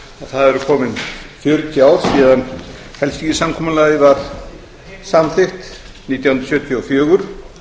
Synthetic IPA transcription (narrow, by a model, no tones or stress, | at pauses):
aðθaðɛɾʏkʰɔːmɪnfjʏɾt̪ʰjaw̥siːðan | hɛlst̪isamkʰɔːmalaðɪvaɾ̥ | samθɪxt̪ | niːt̪jawhɨnɾsjœːt̪ʰjʏɔfjœːɣʏɾ̥